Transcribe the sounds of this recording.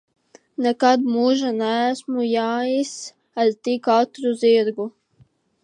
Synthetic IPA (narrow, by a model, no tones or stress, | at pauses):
nɛkad̪muʒanæːsmujaːjis | aɾt̪ikat̪ɾuziɾɡu